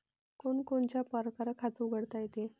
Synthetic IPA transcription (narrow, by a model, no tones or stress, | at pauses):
koɳkoɳt͡ɕjapəɾkaɾəkʰat̪ũɡʱəɽt̪ajet̪e